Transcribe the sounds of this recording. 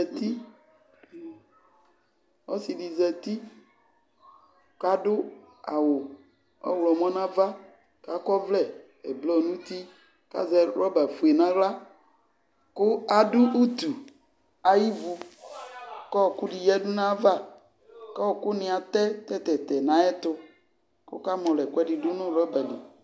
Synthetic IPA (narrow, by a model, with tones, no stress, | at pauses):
ɛ˨t̪i˦ | wɔ˦si˨ɖi˨zɛ˨t̪i˦ | ka˦ɖʊ˦ | a̰˨wo˨ | ɔ̰˦wlɔ˨mɔ̃˦nã˦va˦ | ka˦kɔ˦vlɛ˦˨ | e˨blɔ˦nũ˦t̪i˦ | ka̰˦zɛ˦ɾɔ˦ba˨fu˨e˨nã˦wla˦ | kʊ˦a˨ɖu˦ʔu˦t̪u˨ | a˨ji˦vu˨ | kɔ˦˨ku˦ɖi˨jɛ˦ɖʊ˦nã˦va˦ | kɔ˦wkʊ˦nɪ̃˨a˨t̪ɛ˦t̪ɛ˦t̪ɛ˨t̪ɛ˨nã˨˦ɛ˦t̪ʊ˦ | kʊ̰˦ka˦mɔ̃˨lɛ˨kwɛ˦ɖi˨ɖʊ˦nʊ̃˦ɾɔ˦bɛ˨di˨